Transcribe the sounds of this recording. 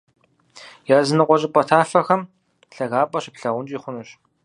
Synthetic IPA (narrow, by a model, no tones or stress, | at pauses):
jaːzɨnɨqʷʼɔɕʼɪpʼɔtʰaːfɐxɐm | ɬɐɣaːpʼɐɕɪpɬɐʁʷʊnt͡ʃʼiːχʷʊnɨɕ